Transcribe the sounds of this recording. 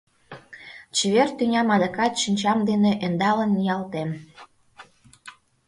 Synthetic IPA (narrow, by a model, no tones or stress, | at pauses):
t͡ɕeβert̪ynʲɑmɑd̪əkɑt̪ʃinʲt͡ɕɑmd̪eneʔend̪ɑlənːijɑlt̪em